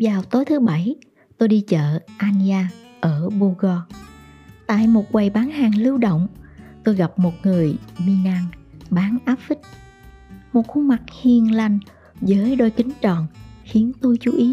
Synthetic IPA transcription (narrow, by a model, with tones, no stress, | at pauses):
vaː˨˩wt̪o˨˦jt̪ʰɨ˨˦ɓa˧˩j | t̪o˧jɗi˧t͡ɕə̰ː˧˨ʔaː˧ni˧aː˧ | ʔəː˧˩ɓu˧ɣɔ˧ | t̪a̰ː˧˨jmo˨˩t̚kwa˨˩jɓaː˨˦nhaː˨˩ŋlɨ˧wɗo̰˧˨wŋ͡mt̪o˧jɣa˨˩p̚mo˨˩t̚ŋɨ˨˩əjmi˧naː˧ŋɓaː˨˦nʔaː˦˥p̚fi˦˥k̚ | mo˨˩t̚xu˧ŋ͡mma˨˩k̚hi˧˩ənla˧jŋ̟ | zəː˨˦jɗo˧jkï˨˦ŋ̟t͡ɕɔ˨˩nxi˨˦ənt̪o˧jt͡ɕu˨˦ʔi˨˦